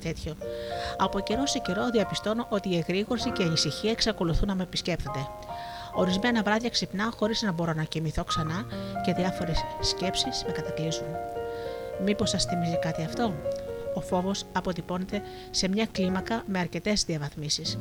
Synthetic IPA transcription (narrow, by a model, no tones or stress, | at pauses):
t̪e̞t̪ço̞ɐpo̞ce̞ɾo̞sece̞ɾo̞ðiɐpist̪o̞noʔot̪iːeɣɾiɣo̞ɾsiceiɐnisiçiɐeksɐko̞luθunːɐmepisce̞pt̪o̞nd̪e̞ | o̞ɾizme̞nɐvɾɐðʝɐksipnɐxo̞ɾiznɐbo̞ɾo̞nɐcimiθo̞ksɐnɐce̞ðiɐfo̞ɾe̞ssce̞psisme̞kɐt̪ɐklisun | mipo̞sɐsθimizikɐt̪iɐft̪o̞ofo̞vo̞sɐpo̞t̪ipo̞ne̞t̪e̞ | se̞mɲɐklimɐkɐme̞ɐɾce̞t̪e̞zðiɐvɐθmisis